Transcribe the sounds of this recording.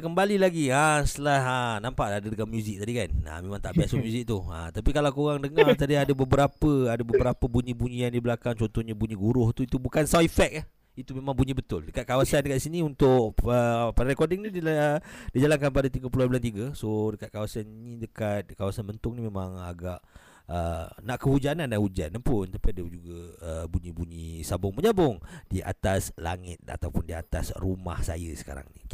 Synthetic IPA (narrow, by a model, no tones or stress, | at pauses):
kəmbalilaɡiəst̪əlahənãmpaʔadədəkamjuzɪk̚t̪adikanə̰mẽmãŋt̪aʔbiasəmjuzɪk̚t̪uə̰t̪apikalakoɣaŋdəŋart̪adiadəbəbəɾapəadəbəbəɾapəbuɲĩbuɲĩjaŋdibəlakaŋt͡ʃɔnt̪ɔhɲabuɲĩɡuɾʊht̪uit̪ubukansaifɛk̚ah | it̪umẽmãŋbuɲĩbət̪ʊldəkat̪̚kawasandəkat̪̚isiniunt̪ʊʔəpadaɾekɔrdɪŋniidid͡ʒalaŋkanp̬adat̪iɡəpuluhanbulant̪̬iɡəsodəkat̪̚kawasannidəkat̪̚kawasanbənt̪ʊŋnimemãŋa̰ɡaʔ | ənaʔkəhud͡ʒanandanhud͡ʒandapʊnt̪apiadəd͡ʒuɡaəbuɲibuɲisabʊŋməɲabʊŋd̥iʔa̰t̪asla̰ŋɪ̰t̪̚a̰t̪awpʊndia̰t̪asruma̰hsa̰jə̰sə̥ka̰ɾa̰ŋnḭ